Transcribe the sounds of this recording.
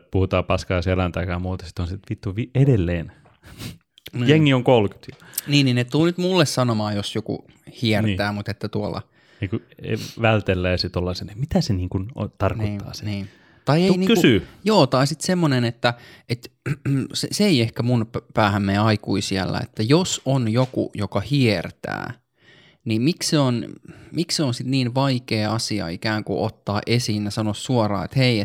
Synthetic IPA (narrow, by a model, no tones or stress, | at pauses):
puhut̪ɑːpɑskɑjːselænt̪ɑikɑːmuːt̪ɑ̥si̥t̪onsit̪ʋit̪ːuʋiedelːeːn | njeŋːioŋkolky̥t̪jɑ̥niːninnett̪ulnyt̪mulːessɑnomɑːjosjokṵ | hiɛnt̪ːæːmut̪et̪ːæt̪uolɑ̰ | niːŋkuʋælt̪elːæjɑset̪olːɑsenemit̪æseniːŋkuno̰t̪ɑrknoiːɑ̰ːse̥niː | t̪ɑieiniːkysyːjoːt̪ɑisit̪semːonenet̪ːæet̪ | seseeiehkæmunpæːhæmːeːɑikuisiælːæ̰ḛt̪ːæjosonjokṵjokɑhiert̪æ̰ː | niːmikseonmikseonsit̪niːnʋɑikeːɑsiɑ̰ikæːŋkṵʔo̰t̪ːɑːʔesiːnjɑsɑnossuorɑ̰ːḛt̪heiet̪